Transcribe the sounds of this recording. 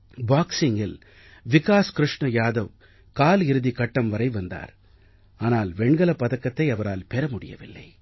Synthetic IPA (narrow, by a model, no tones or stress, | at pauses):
baːksɪŋɡɪl | ʋɪkaːskɾɪʂɳɐjaːðɐ̰ʋ | kaːlɪɾɯðikɐʈːɐmʋɐɾɐɪʋɐnd̪a̰ːɾ | aːnaːlʋɛɳɡɐɭɐpːɐðɐkːɐt̪ːɐɪɐʋɐɾaːlpɛɾɐmʊɽɪ̰jɐ̰ʋɪlːɐ̰ɪ